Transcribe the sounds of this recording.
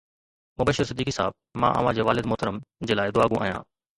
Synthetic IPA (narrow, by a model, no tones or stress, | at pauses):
mʊbəʃəɾsɪd̪ːiːkisaːb̚mã̰ːʔə̰ʋ̤ãd͡ʑeːʋaːlɪd̪mʊːt̪əɾəmd͡ʑeːlaːɪd̪ʊaːɡũʔa̰ːɦjã̰ː